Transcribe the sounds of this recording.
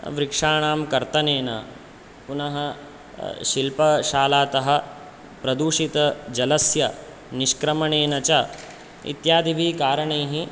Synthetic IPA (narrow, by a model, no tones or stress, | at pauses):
ʋɾikʂaːɳaːmkɐɾt̪ɐneːnɐ̰ | punɐɦɐ | ʃilpɐʃaːlaːt̪ɐɦɐ̆ | pɾɐd̪uːʂit̪ɐd͡ʒɐlɐsjɐ | niʃkɾɐmɐɳeːnɐt͡ʃɐ | ḭt̪jaːd̪iʋiːkaːɾɐɳeːɦi